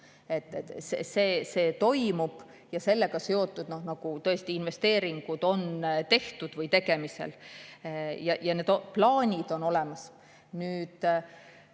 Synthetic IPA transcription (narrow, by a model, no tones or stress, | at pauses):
e̞t̪ːˑet̪sḛseːse̞ːt̪o̞jmub̥ | jɑse̞lːeɡ̥ɑse̞o̞t̪ːˑud̪̥no̞hnɑɡ̥ut̪ɤest̪iinve̞st̪e̞ːɾiŋɡ̥ud̪̥o̞nt̪e̞ht̪ud̪̥vɯjt̪e̞ɡe̞mise̞̰l | jɑjɑned̪oplɑːnʲid̪̥o̞no̞le̞mɑs | nyːd̪̥